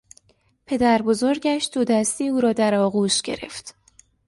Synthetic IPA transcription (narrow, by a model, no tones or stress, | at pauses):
pʰe̞d̪æɾbo̞zo̞ɾɟæʃd̪̥od̪æst̪iːuːɾɒːd̪æɾɒːɣuːʃɟ̥e̞̰ɾe̞̰ft̪